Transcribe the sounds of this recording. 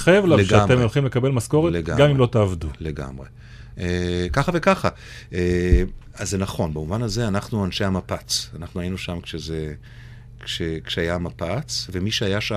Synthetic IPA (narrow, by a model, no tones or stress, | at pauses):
χajevlaveʃɡeamemolχimle̞kabe̞lmasko̞ʁeleɡa̰ɡamimlot̪aːvd̪ule̞ɡa̰mʁe̞ | ekaχave̞kaχa | ʔe | azenaχo̞nbamuvanaze̞anaχnuanʃe̞hamapat͡sanaχnuainuʃamkʃeze | kʃekʃeajamapat͡sve̞miʃeajaʃa